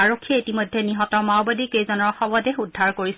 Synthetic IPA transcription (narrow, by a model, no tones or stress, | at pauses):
aɹokʰːiɛitimɔjdʱːɛniɦɔtɔɹmaʊbadikejzɔnɔɹxɔbɔdeɦudʱːaɹkoɹis